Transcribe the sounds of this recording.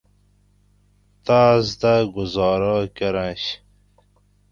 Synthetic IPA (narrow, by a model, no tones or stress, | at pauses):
t̪aːzt̪aɡʊzɑːɾaːkɐɾãɕ